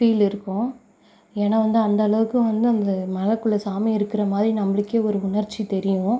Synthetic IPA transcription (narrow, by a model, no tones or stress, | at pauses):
fiːlɪɾɯkːʊ̃ | eːnaːʋɐnd̪ɯɐnd̪ɐːɭɐʋɯkːɯʋɐnd̪ɯɐnd̪ɐmɐlɐkːɯɭːɐsaːmiɪɾɯkːɪɾɐmaːðɾinɐmːɐɭɪkːeːɔɾɯʊɳɐɾt͡ʃːit̪ɛɾɪjʊ̃